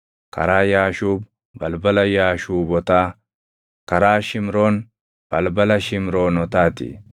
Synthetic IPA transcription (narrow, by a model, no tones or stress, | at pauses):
kɐ̰ɾaːjaːʃuːb | bɐlbɐlɐjaːʃuːbɔt̪aː | kɐɾaːʃɪmɾo̞ːn | b̥ɐlbɐlɐʃɪmɾo̞ːnɔt̪aːt̪ɪ̰